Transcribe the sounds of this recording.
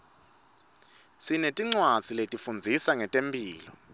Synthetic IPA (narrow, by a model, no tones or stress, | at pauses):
sinetʼiŋ͡ǀwad̥d͡z̥ʱiletʼifund͡zʱisaŋɛtʼempʼiːlɔ